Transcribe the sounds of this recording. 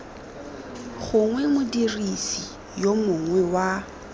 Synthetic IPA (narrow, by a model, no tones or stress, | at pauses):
ɣʊŋwɛmʊdirisi | jomʊŋwɛwa